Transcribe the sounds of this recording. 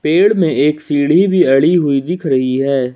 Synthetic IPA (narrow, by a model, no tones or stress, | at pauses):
peːɭmẽeːksiːɽibʱiɐɽiɦʊid̪ɪkʰɾɐɦiɦɛː